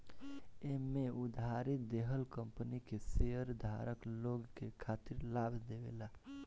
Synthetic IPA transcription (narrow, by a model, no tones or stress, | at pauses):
emẽʊd̪ʱaɾɪt̪̚d̪eɦəlkə̃mpənikeseəɾd̪ʱa̰ːɾəkloːɡkekʰaːt̪ɪɾlaːɡd̪eʋḛla